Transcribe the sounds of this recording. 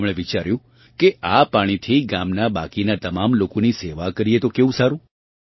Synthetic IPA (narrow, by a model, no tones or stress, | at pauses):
mɭ̃eʋit͡ʃaɾjũ | keʔapaɽ̃it̪ʰiɡamnaba̰kinat̪əmamlokoniseʋakəɾiet̪okeũsaɾũ